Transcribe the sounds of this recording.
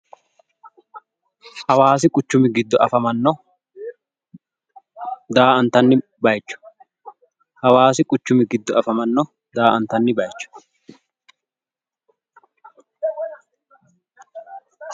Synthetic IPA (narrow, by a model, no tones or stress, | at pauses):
hɐwaːs̬ɪkʼʊt͡ʃːʊmɪɡɪd̪ːɔʔɐfɐmɐnːɔ | d̪aːɐnt̪ɐnːɪ | bɐjt͡ʃːʊ̥ | hɐwaːsɪkʼʊt͡ʃːʊmɪɡɪd̪ːɔɐfɐmɐnːɔ | d̪aːʔɐnt̪ɐnːɪbɐjt͡ʃːʊ̥